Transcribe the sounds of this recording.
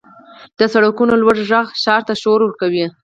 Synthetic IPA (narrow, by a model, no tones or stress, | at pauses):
d̪̥əsaɽakunolwaɖʒaɣʃɑɾt̪aʃoɾwəɾkawi